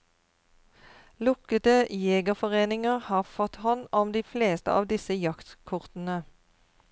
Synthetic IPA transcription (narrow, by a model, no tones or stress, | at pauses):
lʊkət̪əjeːɡəfɔʁeːnɪŋəʁhɑːʁfɔt̪hɔnɔmd̪iːfleːst̪ə̰ʔɑ̰ːʋd̪ɪsəjɑkt̪kʰʊʁt̪n̩ə